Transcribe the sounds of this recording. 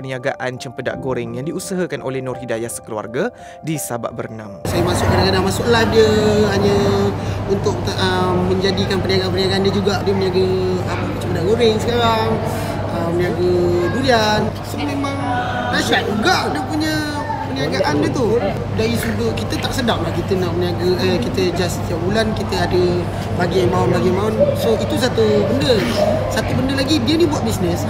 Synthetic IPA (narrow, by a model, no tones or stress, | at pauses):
pəniaɡaʔant͡ʃəmpəda̰ʔɡoɾɛŋjaŋdiusəɦəkanʔo̰lɛhnɔrhidajasə̥kəlua̰rɡa | disaba̰ʔbərnamsajəmasʊk̚kəɾaɡadamasʊklahdiəɦaɲə | unt̪ʊk̚əmːə̃ɲd͡ʒadikanpəniaɡaʔanpəniaɡaʔːndjəd͡ʒuɡaʔdəməniaɡəəm | t͡ʃəmpədaʔɡoɾɪŋsəkaɾaŋ | əmːəniaɡədulian | somemaŋ | nasaʔuɡaʔnəpuɲə | pəniaɡaʔanɲət̪u | daɾisudukit̪ət̪aʔsədaŋlahkit̪ənaʔməniaɡəəkit̪əd͡ʒasə̥t̪iap̚bulankit̪əadə | baɡijaŋmaɔnlaɡimaʊnsoit̪us̬at̪ubəndəsat̪ubəndəlaɡibiəniəbuat̪̚bisnəs